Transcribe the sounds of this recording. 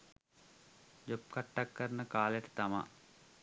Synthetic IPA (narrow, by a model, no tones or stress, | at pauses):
d͡ʒop̚kaʈːakːəɾnəkaːljəʈə̥t̪ama̰